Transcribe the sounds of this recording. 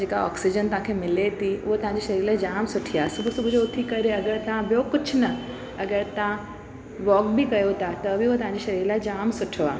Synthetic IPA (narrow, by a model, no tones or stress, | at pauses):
d͡ʒeːkaɔ̰ːksid͡ʑənt̪ɐʋ̤ãkʰemɪlet̪ʰiʊɦot̪ɐʋ̤ɦãɲd͡ʑiʃɐɾiːɾlaːɪd͡ʑaːmsʊʈʰiaːsʊbʱʊsʊbʱʊd͡ʑoʊt̪ʰikɐɾeɐɡəɾt̪ɐãbjokʊt͡ɕʰʊnɐ | ɐɡəɾt̪ɐã | ʋɔːkbʱikɐjot̪ʰat̪ɐbʱiʊɦot̪ɐɦãɲd͡ʑiʃɐɾiːɾlaɪd͡ʑaːmsʊʈʰoaː